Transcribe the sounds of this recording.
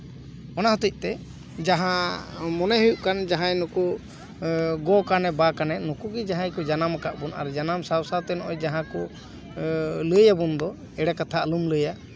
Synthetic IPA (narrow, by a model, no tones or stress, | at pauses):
ɔnaɦut̪ic̚ˀt̪ɛ | d͡ʒaɦãmɔnɛɦujuʔkand͡ʒaɦãjnuku | ɡɔkanɛbakanɛnukuɡid͡ʒaɦãjkɔd͡ʒanamakaʔbuna̰ɾd͡ʒanamsawsawt̪ɛnɔʔɔjd͡ʒaɦãku | ləjabund̪ɔ | ɛɽakat̪ʰaəlumləja